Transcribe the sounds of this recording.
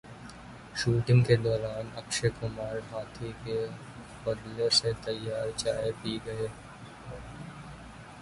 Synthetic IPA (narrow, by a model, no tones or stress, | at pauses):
ʃuːʈɪ̃ŋɡked̪ɔːɾaːnɐkʃekʊmaːɾɦaːt̪ʰike | pɐd̪leset̪ɐjːaːɾt͡ʃaːepiːɡɐe